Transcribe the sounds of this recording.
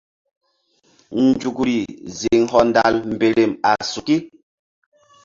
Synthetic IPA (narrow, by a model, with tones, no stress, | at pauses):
n̩˨d͡ʒu˨ku˨ɾi˨ze˨ŋhɔ˦nda̰˨lm̩˨be˨le˨ma̰˨su˨ki˦